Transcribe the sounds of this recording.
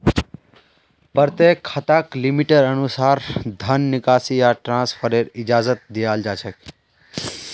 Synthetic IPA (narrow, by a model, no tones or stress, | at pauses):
pəɾt̪ekʰːət̪aklimiʈeɖənusaɾd̪ʱənːikasijaʈɾãspʰəɾeɾid͡ʒazət̪̚d̪ijald͡ʒat͡ʃʰək